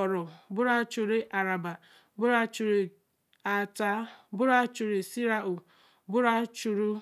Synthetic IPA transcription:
ɔ˨ɾʊ˨bʊ˦ɾa˦t͡ʃu˨ɾe˦ʔa˨ɾa˨ba˨ | bʊ˦ɾa˦t͡ʃu˨ɾe˨ | a˨ta˦bʊ˦ɾa˦t͡ʃu˨ɾe˨si˦ɾa˦u˨ | bʊ˦ɾa˦t͡ʃu˨ɾu˦

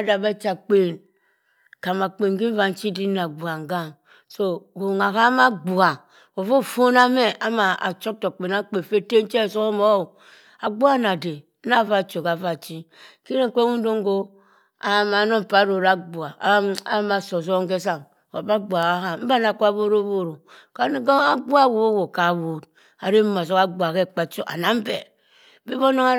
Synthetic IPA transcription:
a˦da˨ba˦t͡ʃa˨k͡pe˦˨n | ka˨ma˨k͡pe˨ŋ˦ɡi˦m̩˦va˨n̩˦t͡ʃi˦di˦na˨ɡ͡bu˨a˨ŋ̩˨ɡa˦˨ŋ | so˦˨ɡo˨ŋa˨ka˦ma˦ɡ͡bu˨a˨ | wo˨vo˦˨fo˦na˦me˦a˦ma˨a̰˨t͡ʃo˦k̚to˨k͡pe˨na˦k͡pe˨fe˦te˦n̩˦t͡ʃe˦˨so˦o˦mo˦˨ | a˨ɡ͡bu˦a˦na˨de˨˦ | na˦˨va˦˨t͡ʃo˨ka˨va˦˨t͡ʃi˦ | ki˦ɾe˦ŋ̩˦ke˦ŋu˦n̩˦do˦ŋ̩˦ɡo˦ | a˨ma˨˦no˦m˨pa˨˦ɾo˨ɾa˦ɡ͡bu˨a˨˦a˦ma˨so˨s̬o˦ŋ˦ke˦s̬a˦˨ŋ˨ | a˨ba˦ɡ͡bʷa˨ɣa˦ɦa˨m̩˦ba˦na˨kʷa˦bo˦ɾo˦bo˦˨ɾo˨ | ka˨˦ɡa˦ɡ͡ba˦˨wo˨˦wo˨ka˨˦wo˨d̚ | a˨ɾe˦ma˨s̬o˦ka˦ɡ͡bʷa˨ke˦˨k͡pa˨t͡ʃo˦ʔa̰˨na˨m̩˦be˨˦ | bi˦bo˦no˦ŋa˦

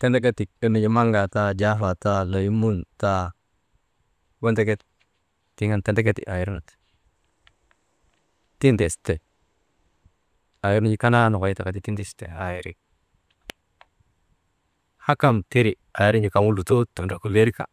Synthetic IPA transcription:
te˦nde˦ke˦ti˨kə˦ni˨d͡ʒi˦ma˦ŋɡa˨ta˦d͡ʒa˦fa˨ta˦lo˨ji˦mu˦nta˦ | we˦nte˦ke˦t̚ | ti˦ŋa˦nte˦nde˦ke˦tḭ˨ʔa˨ji˨˦ɾi˦nu˨t | ti˦nte˨ste˨ | a˨ji˦ɾn˦d͡ʒi˦ka˦na˦no˨ka˨ji˦ta˨ka˨ti˦ti˦nti˦˨stḛ˨a˨ji˨ɾi˦k | ha˦ka˦mte˦ɾi˨ | a˨ji˦ɾi˦ɲd͡ʒi˨ka˨mu˦lu˨to˦tu˨nɾa˨ku˨le˦ɾi˦ka̰˨

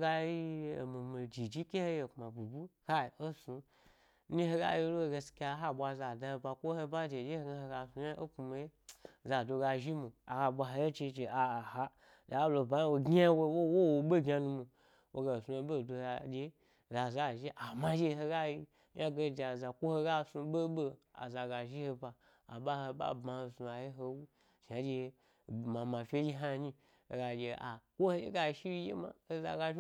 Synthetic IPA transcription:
ɡa˧˦i˦o̰˨mi˨mi˨d͡ʒi˨d͡ʒi˦kʲe˦he˦je˨kma˨bu˨bu˦ha˦˨o˦su˧˦ | i˦he˦ɡa̰˦je˧˦lo˦o˧˨ɡe˧skʲa˧˦ɦa˦˨ɓʷa˧za˨da˧o˧ba˧kʷo˦he˦ba˦d͡ʒe˨d͡ʒe˦he˦ɡa˧he˧ɡa˧˨su˧ja˦ʔo˦pu˧mi˧e˦za˨do˧ɡa˧ʒi˦mu˨a̰˨ɡa˧ɓʷa˧ɦa˧je˦t͡ʃi˧t͡ʃe˨a˨ha˧ | za˨˦lo˧˨ba˨˦a˦wo˧ɡʲa˦wo˧˦wwo˦wo˨ɓe˦˨ɡʲa˧nu˧mu˧ | wo˨ɡa˨sũ˧o˨bo˦˨do˧a˨d͡ʒe˧˦ | za˨za˨ʒi˦ʔa˨ma˦d͡ʒe˦˧ɦo˧ɡa˦ji˦ | ja˦ɡe˧˨d͡ʒa˨za˨kʷo˦ho˧ɡa˦˨su˧be˦bo˦a̰˨za˨ɡa˨ʒi˦ho˧ba˨ | a˨ɓa˦ho˧ɓa̰˦bmã˧ho˧su˧a˨ji˦ɦo˧wu˦ | ʃa˨d͡ʒe˧˨ | ma˨ma˨fʲe˦d͡ʒi˦ɦa˦˧ɲi˦ | o˨ɡa˨d͡ʒe˨a˨kʷo˦ho˦jḛ˦ɡa˦˨ʃi˦i˦jḛ˦ma̰˨ho˦za̰˧˨ɡa˧˦

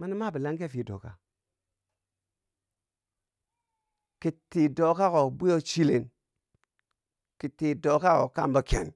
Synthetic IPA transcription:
ma˦ni˦ma˦˨bi˨la˦ŋɡe˦˨fi˨do̰˨ka̰˨ | ki˨tːi˨do˨ka˦ko˨bu˦jo˦t͡ʃi˦le˨n | ki˨tːi˨do˨ka˦ko̰˨ka̰˦˨mba˨kḛ˨n

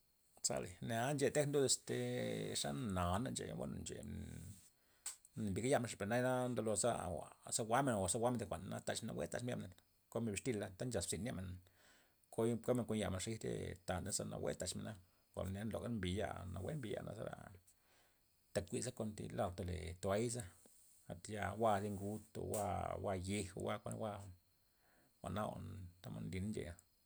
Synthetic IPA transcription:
sa̰˧le˨na˧˦nd͡ʒe˧t̪e˦knd̪u˦d̪e˧˨st̪e˨ʂa˦na˨na˧nd͡ʒḛ˨wa̰˦na˨nd͡ʒḛ˨ | mbi˨ɡa˦ja˦me˧nʂpe˨ɾna˦jna˦nd̪o˧lo˧za̰˦wa̰˨sa˦wa˦me˧˨na˨wa˨sa˦wʷa˦me˧nt̪kʷa˨nna˦t̪a˧t͡ʃme˧na̰˧˨wḛ˦t̪a˧˨t͡ʃmja̰˦mne˨n | ko˦me˧˨bi˨ʂt̪i˧lːa˦t̪a˦nd͡ʒa˨ssi˧na˦me˨n | kʰo˦jko˦me˧ŋkʷo˧nja˧˨me˨nʂi˦t̪ḛ˦t̪a˨nd̪a˦sa˧na̰˨wḛ˦t̪a˧˨t͡ʃme˨na˦ | kʷa̰˨lna˦nlo˨ɡa˦mbi˨ja̰˧na˨wḛ˦mbi˧ja̰˧˨nʔa̰˨sa˦ɾa̰˧ | t̪a˨kkʷi˧za˦ko˧nt̪ḭ˧la˧˨wt̪o˧lḛ˨t̪o˨a˦jza˦ | a˨t̪ja˧wa˦˧zi˧ŋɡu˦t̪o̰˨wa˧wa˧ji˧ho˧wa˦kʷa˧n̰˦wa˧ | wʷa˨ʔna̰˦a̰˨nt̪a˦ma˧nli˧na˦nd͡ʒḛ˨ja˨

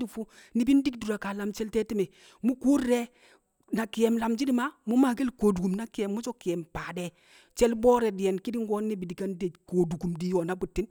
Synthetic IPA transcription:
di˨fu˦ | ni˨˦bi˦ndi˦kdu˨ɾa˨ka˨la˨mt͡ʃɛ˦ltɛ˦ti˦mɛ˨ | mu˦ku˦ɾːɛ˦ | na˨ki˨jɛ˨mla˨md͡ʒi˦di˦ma˦mu˦ma˨ɡe˦lko˨du˨ku˨mna˦ki˦jɛ˨mːu˦d͡ʒɔ˦ki˨ɛ˨mpaː˨dɛ˨ | t͡ʃɛ˦lbɔː˦ɾɛ˨dɪ˨jɛ˨nki˦di˦ŋɡɔ˦nːe˦bi˨di˨ka˦nde˨ko˨du˨ku˨mdi˨˦jo˨na˨˦bu˨tːi˦n

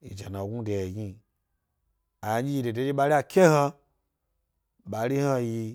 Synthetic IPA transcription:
ḭ˨d͡ʒa˨na˨ɡu˦de˨ɡi˧ | a˨˦d͡ʒi˦i˧˨de˨de˨˦d͡ʒi˦ɓa˧ɾi˦a˧kʰʲe˦ha˧ | ɓa˨˦ɾi˦ha˧ji˧

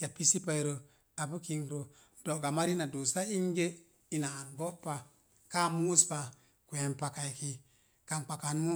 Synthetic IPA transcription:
ja˨pi˦si˦pa˦i˨˦ɾo˨ | a˨bu˦ki˦˧ŋɾo˨ | do˨ɡa˨ma˦ɾi˦na˨do˨sa˦i˦nɡe˦ | i˨naː˨nbo˦pːa˨ | ka˦mu˦spa˨ | kʷe˨npa˨ka˨i˨ki˨ | ka˨nk͡pa˨ka˨nmu˦

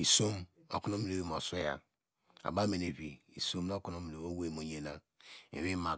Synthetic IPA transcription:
i˨so˦m | o̰˨ku˦n˦o˦mi˨e˨e˦˨m˨o˨se˦ja̰˨ | a̰˨ba˦me˨ne˨βi˨i˨so˦mna˦ku˦no˦mi˨ɾe˨βo˦we˦˨mo˨ɲe˨na˦ | ḛ˨βi˦ma˨

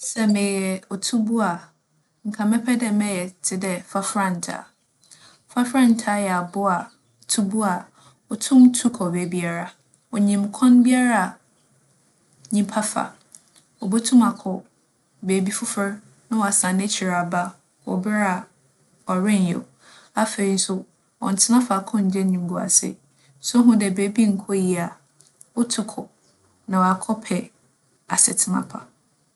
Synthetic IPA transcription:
sɛ˦mɪ̃˨jɛ˨ɔ˨tʰu˦bu˦a˨ | ŋ̩˨kʰã˨mɛ˦pʰɛ˦dɛ˦mɛ̃˦jɛ˨tʰɪ˦dɛ˦fa˦fɾã˦˨n̩˨tʰa̰˨ | fa˦fɾã˦n̩˨tʰa˦jɛ˨a˨bʊ˦a˨ | tʰu˦bu˦a˨ | ɔ˨tʰʊ̃˦mtʰu˦kʰɔ˨be˨bi˦a˦ɾa˨ | ɔ˨ɲĩ˨mkʰɔ̃˦nbi˦a˦ɾa˦a˨ | ɲĩ˦pʰa˦fa̰˨ | ɔ˨bo˦tʰʊ̃˦ma˨kʰɔ˨ | be˨bi˦fʊ˦fɪ˦ɾ | nã˦wɔ˨a˨sã˨ne˦t͡ɕʰi˨ɾa˨ba˦ | wɔ̰˨bɪ˦ɾa˨ | ɔ˨ɾɪ̃˦njo̰˨ | a˦fe˨ɾi˨˦n̩˦sʊ˦ | ɔ̰˨n̩˨tʰɪ˦nã˦fa˨kʰɔ̃˦ɲ̩˨d͡ʑɛ˦nĩ˨ŋ˨ɡu˨a̰˨sɪ̰˦ | sʊ˦ɦũ˦dɛ˨beː˨˦bi˦ŋ̩˨kʰo˦ji˨a˨ | ʊ˦tʰʊ˦kʰʊ˨ | nã˨wa˨kʰɔ˦pʰɛ˨ | a˨sɪ̰˨tʰɪ˦nã̰˨pʰa̰˨

